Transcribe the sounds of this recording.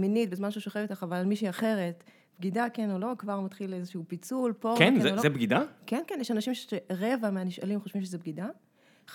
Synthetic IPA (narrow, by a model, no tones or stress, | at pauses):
minit̚bezmanʃeuʃoχevitaχavalalmiʃiaχe̞ʁe̞t | b̥ɡidakenolo̞kvaʁmat̪χilezeʃeupit͡sulponkolzebɡidakenkenjeʃanaʃimʃʃeʁevameaniʃalimχo̞ʃvimʃezebɡida